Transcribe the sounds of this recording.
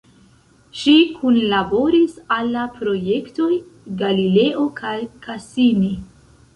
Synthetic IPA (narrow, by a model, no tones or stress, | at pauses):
ʃikʰunlabo̞ɾisalːapɾo̞je̞kto̞jɡalile̞ʔo̞kʰajkʰasini